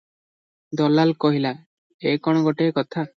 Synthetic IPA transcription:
d̪ɔlalkɔɦila | ekɔɽ̃ɔɡɔʈeːkɔt̪ʰa

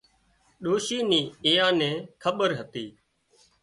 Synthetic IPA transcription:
ɗoːʃiːniːɪjãːnɛ̃ːkʰəɓəɾɦət̪iː

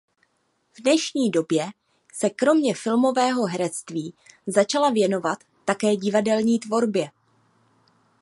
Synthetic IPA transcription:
vdnɛʃɲiːdo̞bjɛ | sɛkɾo̞mɲɛfɪlmo̞vɛːɦo̞ɦɛɾɛt͡st̪viːzat͡ʃalavjɛno̞vat̪ːakɛːɟɪvadɛlɲiːt̪vo̞ɾbjɛ

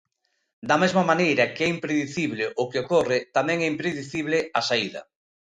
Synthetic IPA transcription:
d̪ɐmezmamanejɾɐkɛimpɾeðiθiβlɪʔʊkeokorɪt̪amɛ̃ŋɛimpɾeðiθiβlɪasaiðɐ̰

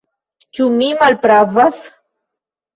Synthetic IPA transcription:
t͡ʃʊmimalpɾavas

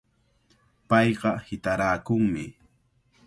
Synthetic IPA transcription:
pɑjɢɑhɪt̪aɾaːkʊŋmɪ

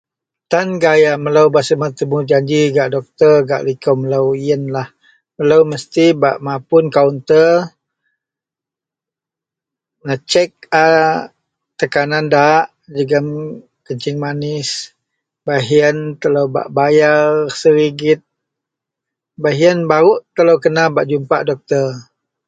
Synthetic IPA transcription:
t̪anɡajaməlawbaʔsəmat̪əmud͡ʒaɲd͡ʒiɡaʔdɔk̚t̪ərɡa̰ʔlikəməlawiənlah | məlawməst̪iba̰ʔmapʊnkaunt̪ə | nat͡ʃɛk̚a | t̪əkanandaʔ | d͡ʒəɡəm | kəɲt͡ʃɪŋmanɪs | baɦiənt̪əlowba̰ʔbajarsəɾiɡɪt̪̚ | baɦiənbaɾuʔt̪ələwkənabaʔd͡ʒumpaʔdɔk̚t̪ər

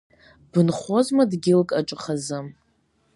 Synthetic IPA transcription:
b̥ɨnχʷozmadɡʲɪlkʼaʈ͡ʂʼɨχazɨm

